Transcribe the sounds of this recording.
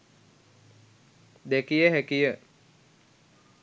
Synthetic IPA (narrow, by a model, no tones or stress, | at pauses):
d̪ekijəɦækijə